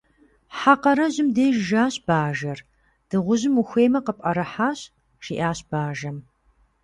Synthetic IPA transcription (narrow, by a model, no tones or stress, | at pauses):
ħaqɐɾɐʑɪmdeːʒʒaːɕʼb̥aːʒɐr | d̥ɨʁʷʊʑɪmuxʷeːmɐqəpʼɐɾɐħaːɕ | ʃiːʔaːɕb̥aːʒɐm